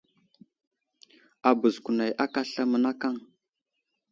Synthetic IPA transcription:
a˨bə˨zku˨na˨jʔa˦ka˦ɬa˦mə˨na˦ka˦˨ŋ

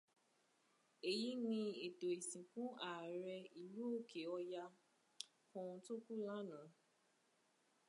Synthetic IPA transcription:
e˨ji˨˦nĩ˧e˨do˨i˨sĩ˨kũ˦a˨ɾɛ˧i˨lu˨˦o˦˨kʰe˨ɔ˧ja˧ | fɔ̃˧ũ˧to˦ku˦la˦nã˨˦

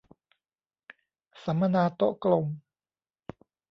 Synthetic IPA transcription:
sa˩˦mːa˧naː˧t̪o˦˥ʔklo˧m

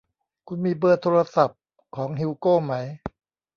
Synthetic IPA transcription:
kʰu˧nmiː˧bɤː˧˩t̪ʰoː˧ɾa˧sa˨˩p̚ | kʰɔː˩˦ŋɦi˧wkoː˥˩ma˦˥j

